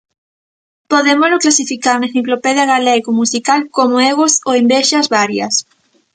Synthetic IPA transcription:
poðemozlʊklasifikaɾnaθiklopɛðjɐɣalɛɣomusikalkomoeɣosoembɛʃɐzβaɾjɐ̰s

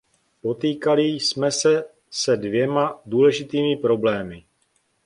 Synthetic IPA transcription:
po̞t̪iːkalɪsmɛsɛ | sɛdvjɛmaduːlɛʒɪt̪iːmɪpɾo̞blɛːmɪ

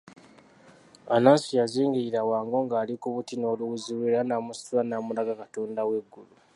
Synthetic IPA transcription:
anaːsijaziːŋɡiiɾawaːŋɡo̞ːŋɡaːlikuβutino̞ːluwuziliɾanamustulanamulaɡakatoːndawe̞ɡːulu

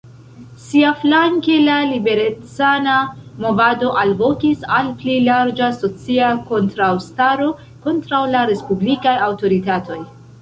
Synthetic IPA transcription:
siaflaŋkelalibe̞ɾet͡sanamo̞vado̞ʔalvo̞kisalplejlaɾd͡ʒaso̞t͡siako̞ntɾawstaɾo̞ | ko̞ntɾawlaɾe̞spublikajawto̞ɾitato̞j

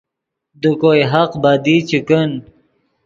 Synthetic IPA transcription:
d̪ukojɦaqbad̪it͡ɕikən

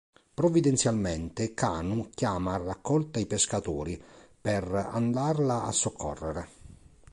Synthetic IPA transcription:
pɾɔvid̪ɛnt̪sjalmɛnt̪ɪka̰ːnukjaːmaːrːakʰːɔlt̪aipeskat̪uːɾipɛra̰nd̪arlaa̰sːokʰːɔ̰rːeɾe

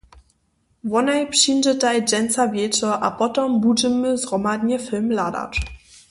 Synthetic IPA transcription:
vɔnajpʂind͡ʒətajd͡ʒɛnt͡savʲjɛt͡ʃɔʔa̰pɔtɔmbud͡ʒəməzɡʁɔmad̪ɲɛfɛlmlad̪a̰ʈ͡ʂ

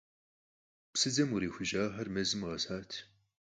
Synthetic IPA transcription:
psɨd͡zɐmʊɾiːxʷʊʒaːħɐrmɐzɨmʁɐsaːtʰ

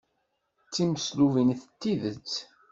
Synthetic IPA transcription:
t͡sːiməsluvinθət̪ːiðə̰t͡s

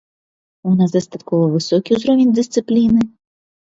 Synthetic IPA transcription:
unas̬d̪ɐst̪at̪kɔvɐvɨsɔkʲiuzɾɔvʲɪnʲd̪ɨst̪sɨplʲinɨ

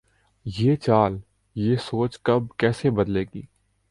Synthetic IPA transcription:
jeːt͡ʃaːl | jeːsoːt͡ʃkɐb̚kɛːsebɐd̪leːɡḭː

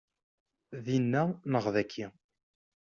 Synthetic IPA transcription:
ðinːænəʁðækʰːi

